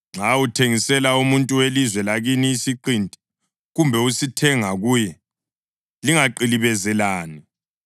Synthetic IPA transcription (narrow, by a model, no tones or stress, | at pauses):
ŋ͡ǁʱautʰeŋisɛlaumuntʼuwelizwɛlaɣiniːsiǃintʼi̥ | ɣumbʱɛusitʰɛŋaɣujɛ | liŋaǃiliβɛzɛlaːni